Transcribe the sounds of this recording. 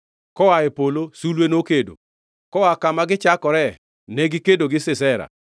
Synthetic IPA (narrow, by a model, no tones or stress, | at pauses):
kɔaɛpolosulwenokedo̰ | kɔakamaɡɪt͡ʃakɔɾɛ | nɛɡɪkedoɡɪsɪsɛɾa̰